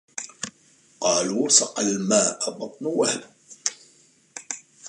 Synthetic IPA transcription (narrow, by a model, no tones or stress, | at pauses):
qɑːluːsɑqalmaːʔabɑt̪ˤnuwahl